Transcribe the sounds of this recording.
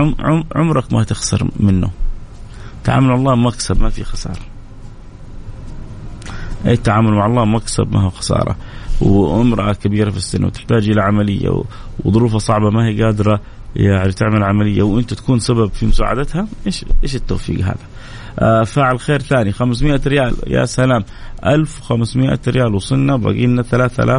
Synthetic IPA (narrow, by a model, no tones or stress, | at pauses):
ʊʕʊʕʊ̰mɾˤɑkmat̪ɪxsɑ̰ɾmɪnːṵ | t̪aʕa̰ːmʊlmaʕlˤːɑːmmaksabmafḭxɑsɑ̰ːɾˤɑ | ʔeːt̪ːaʕaːmʊlmaʕɑlˤːɑːmmaksa̰bma̰ɦixɑ̥sɑ̰ːɾˤɑ̰wʔɪmɾˤɑʔakabiːɾafisːɪ̰nːw̰t̪ɪ̥ħt̪aːd͡ʒʔɪlaʕamalɪjːa̰w | wðˤʊɾuːfɑsˤɑʕbɑmahiːɡaːd̪ɾˤɑ | jaʕnit̪ɪʕmalʕamalɪjːawʔɪnt̪at̪ḁkuːnsababfimʊsa̰ːʕa̰d̪at̪haʔeːʃʔeːʃɪt̪ːawfḭːɡɦa̰ːða | ʔafaːʕɪlxeːɾθaːnixams̬mɪʔaɾɪjaːlja̰salaːm | ʔalfwxamsmɪʔa̰ɾɪjaːlwsˤɨnːaba̰ɡiːnaθalaːθa̰lʔaː